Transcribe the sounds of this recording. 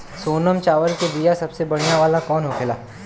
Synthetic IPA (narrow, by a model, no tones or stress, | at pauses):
soːnəmt͡ʃaːʋəɾkebijasɐbsebɐɽ̤ijãʋaːlakɔːnɦokʰɪla̰ː